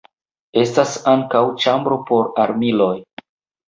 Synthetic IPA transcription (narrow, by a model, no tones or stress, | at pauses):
e̞stasaŋkawt͡ʃambɾo̞po̞ɾaɾmilo̞j